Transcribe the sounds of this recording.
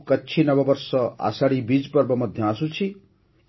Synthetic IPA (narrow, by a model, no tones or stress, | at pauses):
kəːt͡ʃʰinʌbɔbɔɾsɔa̰saɽibid͡ʒpɔɾbɔmɔd̪ʱjɔasut͡ʃʰi